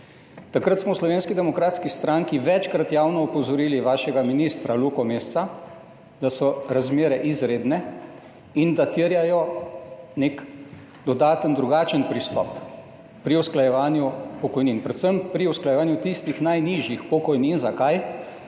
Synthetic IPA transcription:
t̪akɾət̪smɔwslɔʋeːnskid̪ɛmɔkɾaːt̪skist̪ɾaŋkiʋɛt͡ʃkɾat̪jaːwnɔɔpɔzɔɾiːliʋaːʃɛɡaminist̪ɾalukɔmest̪sa | d̪̥asɔɾazmeːɾɛʔizɾeːd̪nɛ | ind̪at̪iəɾjajɔ | nek | d̪ɔd̪aːt̪ənd̪ɾuɡaːt͡ʃənpɾist̪ɔ̰pː | ɾiusklajɛʋaːnjupɔkɔjninpɾɛt̪səmpɾiusklajɛʋaːnjut̪ist̪ixnajniʒjixpɔkɔjninzakaj

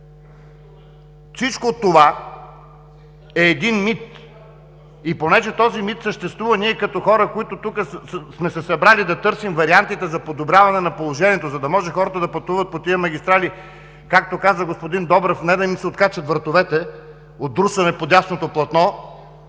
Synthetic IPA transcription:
fsit͡ʃkot̪ːova | ɛːd̪inmit̪ | iponɛʒɛt̪ɔzimit̪səʃt̪ɛst̪vuvɐniɛkɐt̪ɔxɔɾəkoit̪ʊt̪ukəsmɛsɛsɐbɾalid̪ɐt̪ɤɾsimvɐɾiant̪it̪ɛzɐpod̪obɾʲavɐnɛnɐpolˠoʒɛnʲiɛt̪ozɐd̪ɐmɔʒɛxɔɾɐt̪əd̪ɐpɐt̪uvət̪̚pot̪iəmɐɡʲist̪ɾali | kak̚t̪okazəɡospod̪ind̪ɔbɾɐfnɛd̪ɐmimsɛot̪̚kat͡ʃɐt̪vəɾt̪ovɛt̪ɛ | ot̪̚ːɾusɐnɛpod̪ʲasnot̪oplˠɐt̪nɔ

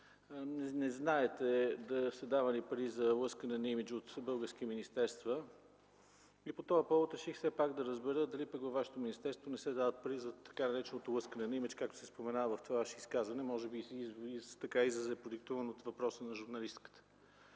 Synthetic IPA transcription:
nnɛznaɛt̪ɛd̪ɐsɐd̪avɐnipɐɾizɐlˠɤskənɛnɐimit͡ʃot̪bɤlˠɡəɾsk̟iminist̪ɛɾst̪və | ipot̪ɔvɐpɔvot̪ɐʃixfsɛpaɡd̪ɐɾəzbɛɾəd̪ɐlipəkvɐvaʃɛ̥t̪ominist̪ɛɾst̪vonɛsɛd̪avət̪̚pɐɾizɐt̪ɐ̥kanɐɾɛt͡ʃɛnot̪olˠɤskənɛnɐimit͡ʃkak̚t̪o̥sɛspomɛnavəvɐft̪vavaʃɛiskazvɐnɛmɔʒɛbisizit̪ɐkaizvəzɛɛpɾod̪ikt̪uvənot̪vɐpɾɔsənɐʒuɾnɐlist̪kə̥t̪ə̥

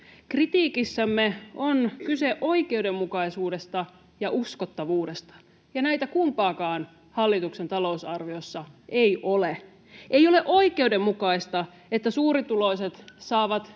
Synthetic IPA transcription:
krit̪iːkisːæmːeonkyseʔo̞ike̞udemːukɑisuːde̞st̪ɑ | jɑʔuskot̪ːɑʋuːdest̪ɑ̥ | jɑnæit̪ækumpɑːkɑːn | hɑlːit̪uksent̪ɑlo̞usɑrʋiosːɑejʔole | ʔejoleʔo̞ike̞ude̞mːukɑist̪ɑ | et̪ːæsuːɾit̪ulo̞iset̪sɑːʋɑt̪

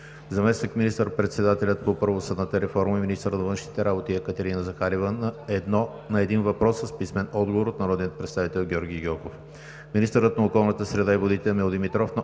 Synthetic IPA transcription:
zɐmɛsnikminist̪əɾpɾɛt̪sɛd̪at̪ɛlʲət̪̚popɤɾvosəd̪nət̪əɾɛfɔɾməiminist̪əɾənɐvɤnʃnit̪ɛɾabot̪iɛkət̪ɛɾinəzɐxaɾivənɛd̪nɔ | nɐɛd̪invɐpɾɔsːəspismɛnɔd̪ɡovoɾot̪nɐɾɔd̪nʲijət̪pɾɛt̪st̪avit̪ɛlˠɡʲɔɾɡʲiɡɔkof | minist̪əɾət̪nɐokɔlˠnət̪əsɾɛd̪aivod̪it̪ɛmɛlod̪imit̪ɾɔfnɐ

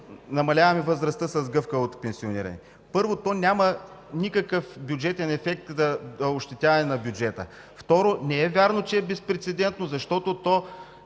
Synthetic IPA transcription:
nɐmɐlʲavɐmɛvəzɾɐst̪əsɐzɡɤfkəot̪pɛnsionḭɾɐ̰nɛ̰ | pɤɾvot̪ɔnʲjamənikəkəfbjʊd͡ʒɛt̪ɛnɛfɛk̚t̪zɐoʃt̪ɛt̪ʲavɐnɛnɐbjud͡ʒɛt̪ə̰ | ft̪ɔɾonɛɛvʲaɾnot͡ʃɛɛbɛspɾɛt̪sɛd̪ɛnt̪nozɐʃt̪ɔt̪ot̪ɔ

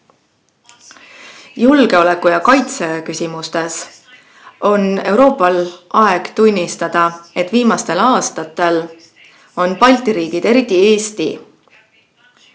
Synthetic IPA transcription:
julɡ̥e̞o̞le̞kːˑujɑkɑjt̪se̞kysʲimust̪e̞s | o̞ne̞wɾo̞ːpːˑɑlʔɑe̞ɡ̥t̪unʲːist̪ɑd̪̥ɑe̞t̪ːˑviːmɑst̪e̞lɑːst̪ɑt̪ːˑe̞l | o̞npɑlʲt̪iɾiːɡ̥id̪̥e̞ɾit̪ːˑie̞ːst̪ḭ

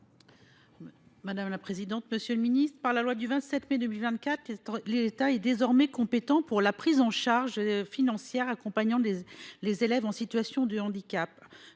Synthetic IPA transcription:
mad̪amlapχezid̪ɑ̃t̪məsjøləminist̪χəpaʁlalwad̪yvɛ̃t̪sɛt̪mɛd̪əmilvɛ̃t̪̚kʲat̪χlet̪aɛd̪ezɔʁmɛkɔ̃pet̪ɑ̃puʁlapχizɑ̃ʃaʁʒfinɑ̃sjɛʁakɔ̃paɲɑ̃lezelɛvɑ̃sit̪ɥasjɔ̃d̪əɑ̃d̪ikʲap̚

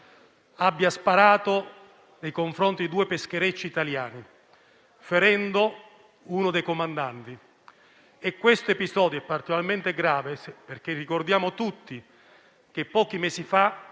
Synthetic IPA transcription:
abːjaspaɾaːt̪o | nejkoɱfɾont̪id̪id̪uːepesk̟eɾet͡ʃːiːt̪aljaːni | feɾɛnd̪o | unod̪ejkomand̪ant̪i | ekːwest̪oepizɔːd̪joɛpːart̪ikolalment̪eɡɾaːvesperk̟erːikord̪jaːmot̪ut̪ːi | k̟epːɔːk̟imɛːsifa

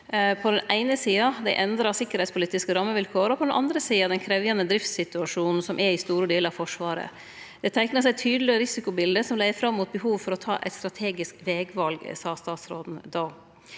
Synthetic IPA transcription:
pʰɔd̪ɛnæɪnəsiːɑd̪æɪʔɛnd̪ɾɑsɪkːəɾhɛɪtspʰʊliːt̪ɪskəɾɑmːəʋɪlkʰoːɾɔpʰɔd̪ɛnʔɑ̰nd̪ɾəsiːɑd̪ɛnkʰɾɛʋjɑnəd̪ɾɪft̪sɪt̪ʉɑʂuːnn̩sɔmʔɛɪst̪uːɾəd̪iːləɾɑʋfɔʂʋɑːɾə̰ | d̪̥ɛt̪ʰæɪknəsɛɪt̪ʰyːd̪əlɪəɾɪsɪkʊbɪld̪əsɔmlæɪəɾfɾɑmːuːt̪̚bəɦuːʋfɔɾɔt̪ʰɑ̰ːʔɛ̰t̪st̪ɾɑt̪ʰeːɡɪskʋeːɡʋɑlɡ̰sɑːst̪ɑːt̪sɾoːd̪n̩d̪oː

